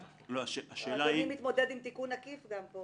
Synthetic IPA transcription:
loaʃeaʃeːlaiimit̪mo̞d̪e̞d̪imt̪ikunakifɡampo

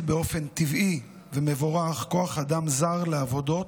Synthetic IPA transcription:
beo̞fe̞nt̪ivi | veme̞voʁaχko̞aχad̪amzaʁleavo̞d̪o̞t

